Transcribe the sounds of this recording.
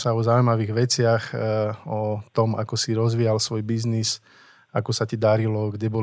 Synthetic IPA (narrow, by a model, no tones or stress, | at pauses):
saɔzaujmaʋiːɣʋɛt͡sɪaxɔt̪ɔma̰kɔsiɾɔzʋiːalsʋɔjbiznis | akɔsacid̪aɾilɔɡɟɛbɔ